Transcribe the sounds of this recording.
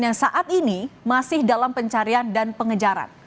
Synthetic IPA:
jaŋsaʔat̪̚inimasɪhdalampəɲt͡ʃaɾiandanpəŋəd͡ʒaɾa̰n

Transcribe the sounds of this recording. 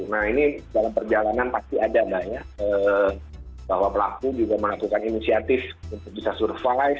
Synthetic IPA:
nahinidalampərd͡ʒalananpast̪iadabaɲakə | baɦwapəlakud͡ʒuɡaməlakukaninisiat̪ɪfunt̪ʊk̚bisasurfaj

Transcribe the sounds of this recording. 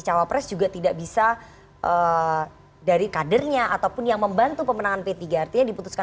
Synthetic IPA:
t͡ʃawapɾɛsd͡ʒuɡat̪idaʔbisa | ʔə | daɾikadərɲaʔat̪awpʊnjaŋməmbant̪upəmənaŋanpet̪iɡaːrt̪iɲadiput̪uska

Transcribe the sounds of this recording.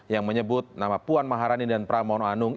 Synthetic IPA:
jaŋməɲəbʊt̪̚namapuanmaɦaɾanidanpɾamanoanʊŋ

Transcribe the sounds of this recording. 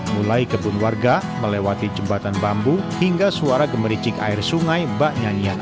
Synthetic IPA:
mulaikəbunwarɡa | məlewat̪id͡ʒəmbat̪anbambuhiŋɡasuaɾaɡəməɾit͡ʃɪka̰ɪrsuŋajbaʔɲanian

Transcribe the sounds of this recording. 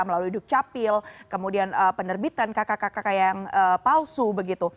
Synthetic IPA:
aməlaluiduk̚t͡ʃapɪlkəmudianəpənərbit̪ankakakakakajaŋəpausubəɡit̪u

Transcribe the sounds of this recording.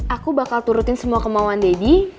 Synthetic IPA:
ʔakubakalt̪uɾʊt̪ɪnsəmuakəmawandedi

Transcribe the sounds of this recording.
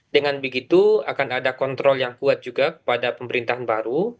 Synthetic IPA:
dəŋanbəɡit̪uakanadakɔnt̪ɾɔljaŋkuat̪̚d͡ʒuɡakə̥padapəməɾint̪aɦanbaɾu

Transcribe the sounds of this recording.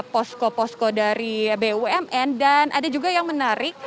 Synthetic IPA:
pɔskopɔskɔdaɾibeuɛmʔɛndanʔa̰dad͡ʒuɡajaŋmənaɾɪk̚

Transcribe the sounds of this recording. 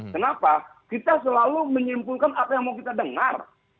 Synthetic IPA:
kənapakit̪asəlaluməɲimpulkanʔapajaŋmawkit̪adəŋa̰r

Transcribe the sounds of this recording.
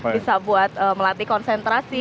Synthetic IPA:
bisabuat̪̚əːməlat̪ikɔnsɛnt̪ɾasi

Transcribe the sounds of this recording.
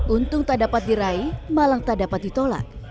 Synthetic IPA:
ʔunt̪ʊŋt̪adapat̪̚diɾaimalaŋt̪adapat̪̚dit̪ola̰k̚

